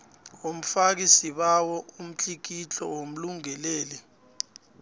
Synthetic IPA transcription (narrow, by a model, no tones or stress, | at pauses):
om̩fak̬isiɓawɔum̩t͡ɬʼik̬it͡ɬʼɔ̰wom̩luŋɛlɛːlɛ